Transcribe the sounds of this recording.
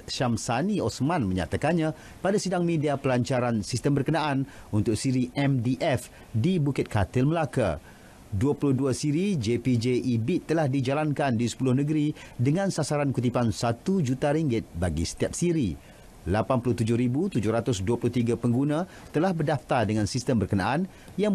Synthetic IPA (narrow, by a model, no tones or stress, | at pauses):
ʃamsaniɔsmãnmə̃ɲa̰t̪akanɲã | padasidaŋmĩdiapəlaɲt͡ʃaɾansist̪əmbərkənãʔanunt̪ʊk̚siɾiʔɛmdiʔɛf | dibukɪt̪̚kʰat̪əlməlaka̰ | duapulʊhduasiɾid͡ʒepid͡ʒeʔibit̪ːəlahdid͡ʒalankandisə̥pulʊhnə̃ɡəɾidəŋãnsasaɾankut̪ipansat̪ud͡ʒut̪aɾiŋɡɪt̪̚baɡḭsə̥t̪ijap̚siɾḭ | lapanpulʊht̪ud͡ʒʊhɾibut̪ud͡ʒʊhɾat̪ʊsduapulʊht̪iɡapəŋɡunã | t̪əlahbərdaft̪ardəŋãnsist̪əmbərkənaʔan | jaŋ